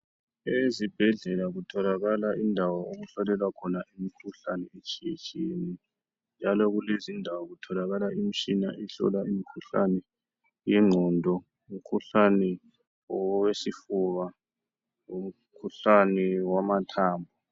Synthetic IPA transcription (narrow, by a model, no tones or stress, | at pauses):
ezib̥ʱɛɮɛlaɣutʰɔlaɣalaindʱawaoɣuɬɔlɛlwakʰɔnaʔimikʰuɬa̰nɛet͡ʃʼiḛt͡ʃʼieni | nd͡ʒʱalɔɣulezindʱawaɣutʰɔlaɣalaim̩t͡ʃʼina̰ʔiɬɔ̰laimikʰuɬa̰nɛ | jɛŋ͡ǁʱɔndʱɔ | um̩kʰuɬanɛ | ɔwesifuβa | om̩ | kʰuɬanɛwamatʰaːmbʱɔ